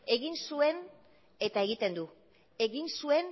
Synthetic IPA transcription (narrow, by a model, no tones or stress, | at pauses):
e̞ɣinsue̞n | e̞t̪ae̞ɣ̞it̪e̞nd̪u | e̞ɣinsue̞n